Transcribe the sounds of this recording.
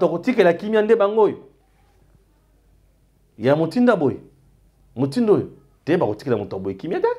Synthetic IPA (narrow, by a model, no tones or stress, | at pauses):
takotikelakimiandebaŋɡojo | jamotindaboje | motindojo | debakotikaotaboekimiada